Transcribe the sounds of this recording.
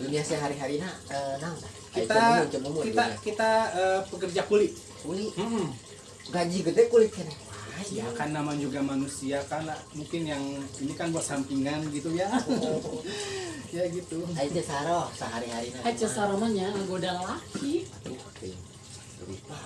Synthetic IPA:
duniasaɦaɾiɦaɾinaənaŋk̪a | kit̪at͡ʃəməmukiakit̪aəpəkərd͡ʒakulɪt̪̚ | kulim̩m̩ | ɡad͡ʒiɡədɛkulɪt̪̚kanɛajakanːamand͡ʒuɡamanusiakanlamuŋkɪnjaŋinikanbuat̪sampiŋanɡit̪uja | jaɡit̪uait͡ʃəsaɾɔsaɦaɾiɦaɾinaat͡ʃəsaɾomanjaŋɡodalaki | utɪ̰ŋ | ulḭt̪a

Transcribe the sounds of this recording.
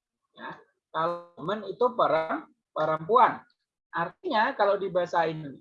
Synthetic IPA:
ja̰ | k̪almənit̪upaɾaŋ | paɾampuan | ʔart̪iɲakalawdibaɦasain

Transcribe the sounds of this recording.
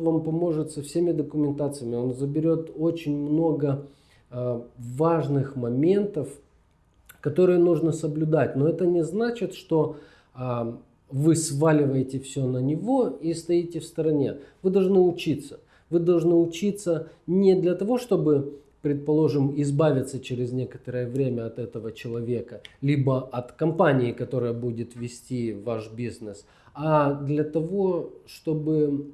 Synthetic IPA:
vampɐmo̞ʐɨt̪sɐfsʲemʲɪd̪əkʊmʲɪnt̪at̪sɨjəmʲɪo̞nzəbʲɪɾʲo̞t̪o̞t͡ɕɪnʲmno̞ɡə | vaʐnɨxmɐmʲe̞nt̪əf | kɐt̪o̞ɾɨjənuʐnəsəblʲʊd̪at̚ʲno̞ɛt̪ənʲɪznat͡ɕɪt̪ʂt̪o̞ | vɨsvalʲɪvəjɪtʲɪfsʲɵnənʲɪvo̞ist̪ɐitʲɪfst̪əɾɐnʲe̞̰vɨd̪ɐlˠʐnɨʊt͡ɕit̪sə̥ | vɨd̪ɐlˠʐnɨʊt͡ɕit̪sənʲɪd̪lʲɐt̪ɐvo̞ʂt̪o̞bɨ | pɾʲɪt̪̚pɐlˠo̞ʐɨmɪzbavʲɪt̪sət͡ɕɪɾʲɪzʲnʲe̞kət̪əɾəjəvɾʲemʲəɐt̪ɛt̪əvət͡ɕɪlˠɐvʲe̞kəlʲibəɐt̪kɐmpanʲɪːkɐt̪o̞ɾɨjəbudʲɪt̪vʲɪsʲtʲivaʂbʲiznəs | ad̪lʲɐt̪ɐvo̞ʂt̪o̞bɨ

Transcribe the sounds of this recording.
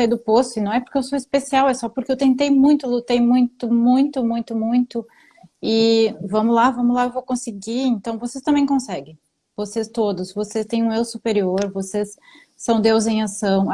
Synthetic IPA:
ajd̪ʊposʊɪnɐ̃w̃ɛpʊɾkeewsoispesiawɛsɔpʊɾkeewt̪ẽnt̪ejmũj̃t̪ʊlut̪ejmũj̃t̪ʊmũj̃t̪ʊmũj̃t̪ʊmũj̃t̪ʊ | ɪvɐ̃mʊlavɐ̃mʊlaewvowkõsɪɡiẽnt̪ɐ̃w̃vosest̪ɐ̃mbẽj̃kõsɛɡẽj̃ | vosest̪od̪ʊsvosest̪ẽj̃ũewsupeɾioɾvosesː | ɐ̃w̃d̪ewzẽj̃asɐ̃w̃

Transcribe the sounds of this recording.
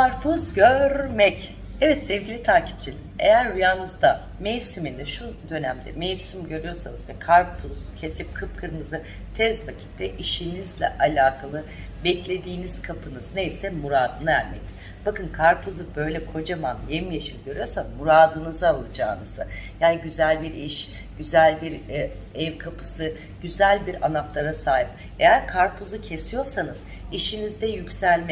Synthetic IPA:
kaɾpʰuzɟøɾmɛc | ɛvɛt̪sɛvɟilʲit̪ʰaːcʰi̥p̚t͡ʃʰilʲinejæɾujaːnɯzd̪a | mejɾsimind̪ɛʃud̪ø̞næmd̪ɛ̰mejiɾsimɟø̞ɾyjo̞ɾsanɯzvɛkʰaɾpʰuz̥cʰe̞sip̚kʰɯp̚kʰɯɾmɯzɯ | t̪ʰɛzvacʰi̥t̪ʰːɛʔiʃinizlʲɛ̰ʔalʲaːkʰalˠɯ | bɛclʲe̞d̪iːniz̥kʰapʰɯnɯzne̞jsɛmuɾaːd̪ɯnaæɾʲmɛ̰c̚t̪ʰi | b̥akɯnkʰaɾpʰuzubø̞jlʲɛkʰo̞d͡ʒamanjemijaʃɯnɟø̞ɾyjo̞ɾsanmuɾaːd̪ɯnɯzaalˠɯd͡ʒaːnɯz̥ɯjaːniɟyzælʲbiɾiʃ | ɟ̥yzælʲbiɾ | ɛvkʰapʰɯ̥sɯ | ɟyzælʲbiɾa̰naft̪ˠaɾasaːjip̚ | e̞jæɾkʰaɾpʰuzucʰe̞sijo̞ɾsanɯz̥ | iʃinizd̪ɛjycʲsælʲmɛ

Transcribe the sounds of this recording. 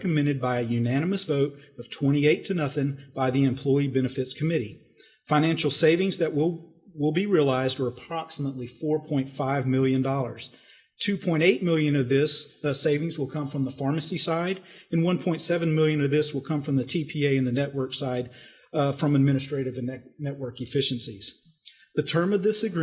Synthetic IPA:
kɨmɪ̃ɾ̃ɨd̚baɪɨjʉnæñɨmɨsvoʊɾʌv̥tʰw̥ɛ̃ɾ̃ieɪtʰɨnʌθɪ̃ŋb̥aɪðiɨ̃mpʰl̥ɔɪibɛnɨfɨtskʰɨmɪɾi | fãɪ̃ñæ̃nʃl̩ˠseɪvɪ̃ŋzðɨʔwɪlˠ | wɪlˠbiɹiəlaɪzdə˞əpʰɹ̥ɑksəmətˡlifɔɹpʰɔ̃ɪ̃ntfaɪvmɪlˠjɨ̃ndɔlˠə̰˞z̥ | tʰʉpʰɔ̃ɪ̃ɾteɪt̚mɪlˠjɨ̃nʌvðɪsseɪvɪ̃ŋzwəlˠkʰʌ̃ɱfɹʌ̃mðəfɑɹmɨsisaɪɾɨ̃nwʌ̃npʰɔ̃ɪ̃ntsɛvɨ̃nmɪlˠjɨ̃nʌvðɪswəlˠkʰʌ̃ɱfɹʌ̃mðɨtʰipʰieɪɨ̃nðɨnɛʔwɜ˞ksaɪd̥ | fɹʌ̃mɨd̚mɪ̃ɾ̃ɨstɹ̥eɪɾɨvɨ̃nnɛʔ̚wɜ˞kɨfɪʃɨ̃n̩siz̥ | ðɨtʰɜ̃˞mʌvðɪsɨɡɹ

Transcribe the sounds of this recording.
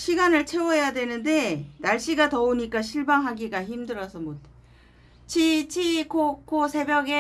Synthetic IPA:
ɕʰiɡanɯɭt͡ɕʰe̞wʌjadwe̞nɯnde̞naɭɕ͈iɡatʌoɲik͈aɕʰiɭbaŋɦaɡiɡaçimdɯɾʌsʰʌmot | t͡ɕʰit͡ɕʰikokosʰe̞bjʌɡe

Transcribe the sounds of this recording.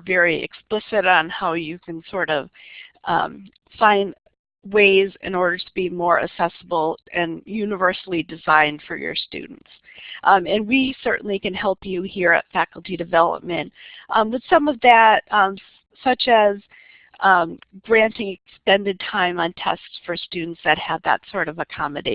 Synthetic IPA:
vɛɹiɨ̰ksplɪsɨɾn̩haʊjɨkʰɨ̃n̩sɔɹɾʌv̥ʔʌ̰̃m | fãɪ̃nd | weɪzɪ̰̃nɔɹɾə˞ɾəbimɔɹɨ̰sɛsəbl̩ˠʔɨ̃njʉnɨvɜ˞sl̩ˠidɨzãɪ̃nd̥fə̰˞jə̰˞stʉ̰dⁿn̩ts | ʔʌ̃ɨ̃nwisɜ̰˞ʔn̩likɨ̃nhɛlˠpjɨhiɹɨ̰tfækl̩ˠtidɨvɛlˠə̰p̚mɨ̃nt̚ʔʌ̃wɨð̥sʌ̃mʌvðɨt̚ʌ̃m | sʌt͡ʃɨz̃ | m | ɡ̥ɹæ̃ntɪ̃ŋɨkstɛ̃ndɨd̚tʰãɪ̃mə̃ntʰɛ̰stsfə˞stʉdⁿn̩tsðɨt̚həvðə̰tsɔɹɾʌvɨkʰɑmɨdeɪ

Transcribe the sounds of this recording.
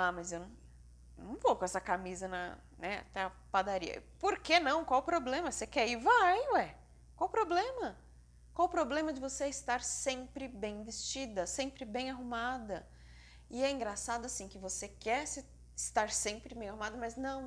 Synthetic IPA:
amɐzewnɐ̃ | nɐ̃w̃vokõɛsɐkamizɐnɐ̰ | nɛa̰t̪ɛɐpad̪aɾḭɐ̰poɾkenɐ̃w̃kwawpɾoblẽmɐsekɛivajʊɛ | kwawpɾoblẽmɐ | kwawpɾoblẽmɐd͡ʒɪvoseɪst̪aɾsẽmpɾɪbẽj̃vest͡ʃid̪ɐsẽmpɾɪbẽj̃aɦumad̪ɐ | ɪɛĩɡɾasad̪ʊasĩkɪvosekɛsɪ | ɪst̪aɾsẽmpɾɪbẽj̃ahumad̪ɐmɐznɐ̃w̃

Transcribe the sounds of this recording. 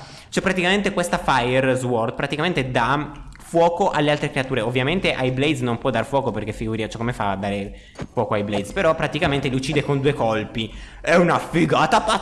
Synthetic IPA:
t͡ʃoɛpɾat̪ikament̪ekwest̪afajerzwɔrd̪pɾat̪ikament̪ed̪afwɔːkoʔalːealt̪ɾekɾeat̪uːɾeovːjament̪eʔajblejd̪znompwɔd̪ːaɾfwɔːkoperkefːiɡuɾiat͡ʃɛkːomefa̰d̪ːaːɾe | fwɔːkoajblejd̪speɾɔpːɾat̪ikament̪eliut͡ʃːiːd̪ekond̪uːekolpiɛunafiɡaːt̪apa

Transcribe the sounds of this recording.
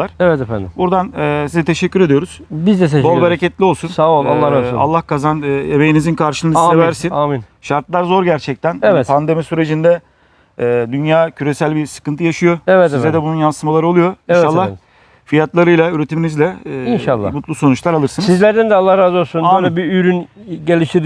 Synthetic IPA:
aɾevɛt̪efænd̪ɪmbuɾd̪anːsizɛt̪ʰe̞ʃɛcʰʲːyɾe̞d̪ijo̞ɾuz̥bizd̪ɛt̪eʃbolˠbaɾecʰɛt̪lʲio̞lˠsunsaolˠalˠːaɾaa̰lˠːahkʰazanːemejinizinkʰaɾʃɯnɯd̪sevæɾsinamin | ʃaɾt̪lˠaɾzo̞ɾɟæɾt͡ʃʰɛc̚t̪ʰænevɛt̪pʰand̪e̞misyɾe̞d͡ʒind̪ɛ | ɛːd̪ynjaːcʰyɾe̞sælʲbisɯ̥kɯnt̪ʰɯjaʃɯjo̞ɛvɛsizɛd̪ɛbununjansɯmalˠaɾɯolˠujo̞inʃalˠːa | fijat̪lˠaɾɯjlˠayɾe̞t̪ʰiminizlʲɛːinʃalˠːa̰mut̪lˠuso̞nut͡ʃlˠaɾalˠɯɾsɯnɯsizlʲæɾd̪ænd̪ɛalˠːahɾazolˠsunabiyjɾyn | ɟelʲiʃt̪iɾ

